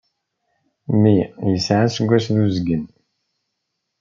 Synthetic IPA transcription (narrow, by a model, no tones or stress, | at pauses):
mijəsʕasəɡʷːæsðuzɡən